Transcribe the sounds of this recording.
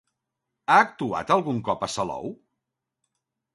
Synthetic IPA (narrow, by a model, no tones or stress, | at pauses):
aːk̚t̪ua̰t̪əlˠɣuŋkɔpəsəlɔ̰w